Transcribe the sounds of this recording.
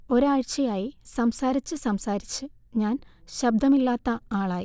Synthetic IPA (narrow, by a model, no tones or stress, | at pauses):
o̞ɾaːɻt͡ɕːɐjaːjisɐmsaːɾit͡ɕːɨsɐmsaːɾit͡ɕːɨ | ɲaːnɕɐb̚d̪ʱɐmilːaːt̪ːɐaːɭaːji